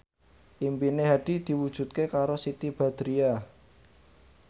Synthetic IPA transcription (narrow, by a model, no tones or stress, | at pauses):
ʔimpineɦaɖ̥i̤d̪̥i̤wud̥ʒ̥ṳt̪̚kekaɾosit̪ib̥a̤d̪̥ɾia